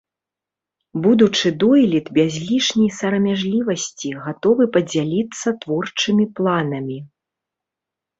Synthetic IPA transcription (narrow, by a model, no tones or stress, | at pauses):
bud̪ut͡ʂɨd̪ɔlʲit̪bʲazʲlʲiʂnʲijsɐɾɐmʲaʐlʲivɐsʲt͡sʲiɣat̪ɔvɨpɐd͡zʲalʲit̪sːɐt̪vɔrt͡ʂɨmʲiplˠanɐmʲi